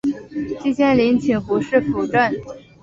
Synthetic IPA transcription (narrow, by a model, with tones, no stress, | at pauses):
t͡ɕi˥˧t͡ɕʰjɛ˥nli˧˥nt͡ɕʰi˨˩ŋxu˧˥ʂɻ̩˥˩fu˨˩ʈ͡ʂə˥˩n